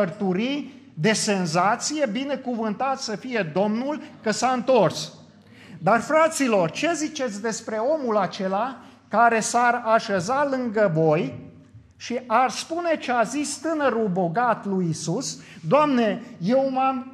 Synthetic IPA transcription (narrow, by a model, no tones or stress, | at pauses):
ərt̪uɾijd̪e̞se̞nzat̪sije̞bine̞kuvɨnt̪at̪səfije̞d̪o̞mnulkəsaɨnt̪o̞rs | d̪arfɾat̪silo̞rt͡ʃe̞zit͡ʃe̞t̪sʲd̪e̞spɾe̞o̞mulat͡ʃe̞la | kaɾe̞saraʃezalɨŋɡəvo̞j | ʃiʔarspune̞t͡ʃeazist̪ɨnəɾulbo̞ɡat̪lujisusd̪oamne̞jewmam